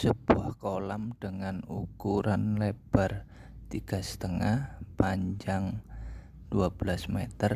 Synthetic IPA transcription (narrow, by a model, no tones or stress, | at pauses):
səb̥uahkolamɖ̥əŋanukuɾanleb̥a̤rt̪iɡ̥a̤sə̥t̪əŋahpaɲd͡ʒaŋ | d̥uab̥əlasmet̪ər